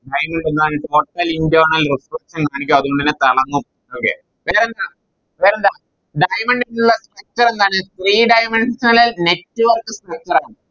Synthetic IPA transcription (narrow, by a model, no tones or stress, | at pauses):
ɖɐjmeɳɖenːuaːɳɨʈo̞ːʈːɐlindoːɳɐlrisrɐkʂɐnkaːɳikʲːuɐðuɣoɳɖinːet̪ɐɭɐŋːu | oːkḛ | ʋeːɾend̪aː | ʋeːɾend̪aː | ɖɐjmeɳɖinuɭːɐsʈrɐk̚t͡ɕɐre̞nd̪aːɳɨst̪riːɖɐjmeɳɖsɐnɐlilne̞tːɨʋɐrkɨsʈrɐk̚t͡ɕɐɾaːɳɨ